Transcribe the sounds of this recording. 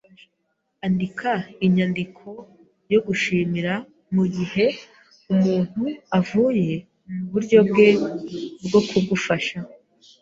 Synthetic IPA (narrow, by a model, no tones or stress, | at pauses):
andikʰaiɲandikʰo̞ | jo̞ɡuʃiːmiɾa | muɟihe̞ | umuːn̥huavuːje̞ | muβuɾɟo̞bɡe̞bɡo̞kʰuɡufaʃa